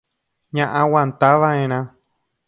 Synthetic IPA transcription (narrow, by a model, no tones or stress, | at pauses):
ɲãʔãwãnt̪aʋaẽɾ̃ã